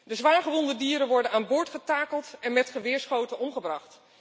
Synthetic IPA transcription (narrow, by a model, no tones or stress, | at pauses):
dəzʋaːɹχəʋɔndədiːəɾənʋɔɹdənaːnbʊːɹtχətaːkəlˠtɛnmɛtχəʋɪːɹsχowtənɔmχəbrɑχt